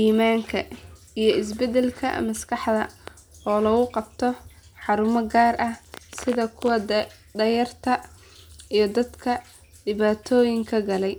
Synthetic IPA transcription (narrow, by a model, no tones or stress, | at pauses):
ʔiːmaːŋkʰɐ | ijɞɪsbɛd̪ɛlkʰɐ̰mɐskʰɑħd̪ɐ | ɔːlɐɣʊqɑbt̪ʰɔħɑɾʊmɐɡaːrʔɐhsɪðɐkʰʊwɐ | d̪ɐjɐrt̪ʰɐ | ijɞd̪ɐd̪kʰɐ | ɖɪβaːt̪ʰɔːjɪŋkʰɐɡɐlɛj